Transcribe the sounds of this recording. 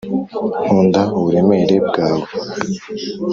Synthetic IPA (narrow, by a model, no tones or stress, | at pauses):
huːndauβuɾe̞me̞ɾe̞b̚ɡaːβo